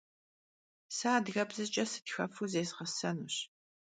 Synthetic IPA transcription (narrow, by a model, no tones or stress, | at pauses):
saːdɣɐbzɨt͡ʃʼɐsɨ̥txɐfuzeːzʁɐsɐnuɕ